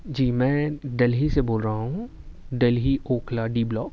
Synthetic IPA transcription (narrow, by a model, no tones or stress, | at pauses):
d͡ʒiːmɛ̃ːɖɐlɦiseboːlɾəɦaɦũɖelɦiʔoːkʰlaɖiːblɔːk̚